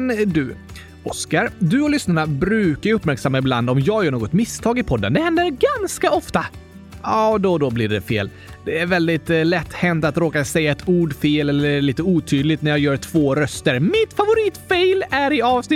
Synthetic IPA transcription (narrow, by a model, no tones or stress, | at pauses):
nd̪ɵ | ɔskaɾd̪ɵɔlʏsnaɳabɾʉ̟ːkajɵpːmæɾksamːaɪbland̪ɔmjɑːɡjœːɳoːɡɔt̪mɪst̪ʰɑːɡɪpʰɔd̪ːə̰nd̪ɛhɛnd̪əɾɡanskaɔft̪a | ɑːd̪ɔd̪ɔblɪɖɛfḛːl | d̪̥ɛæɾvɛld̪ɪt̪lɛt̪ːhɛnt̪at̪ɾoːkasɛjːaɛt̪ʰuːɖfeːlɛlːəɭiːt̪əuːt̪ʰyːd̪lɪɡt̪næɾjɑjœːɾʈʰv̥oːɾœst̪əɾmɪt̪favʊɾiːt̪fejlæɾɪɑːvsnɪ